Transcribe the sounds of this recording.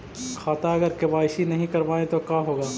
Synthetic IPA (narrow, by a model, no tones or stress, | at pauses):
xʰaːt̪aɐɡəɾkɪbaːɪʃinɐɦĩkɐɾʋaːẽt̪okaːɦoːɡaː